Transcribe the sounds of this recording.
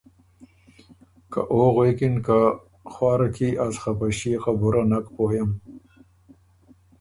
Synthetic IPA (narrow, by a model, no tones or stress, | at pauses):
ka̰ʔoːɣweːkinka | xwaːɾɐkʰiʔasχɐpɐɕiːqabuɾanɐkpoːjɐm